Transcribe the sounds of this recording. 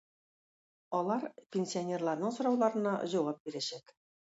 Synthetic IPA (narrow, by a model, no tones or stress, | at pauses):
ɒlˠɑɾpʲenʲsʲionʲe̞rlˠɑɾnɤɴsŏɾɑwlˠɑɾɤ̆nɑʑɒ̆wɑp̚biɾæɕæk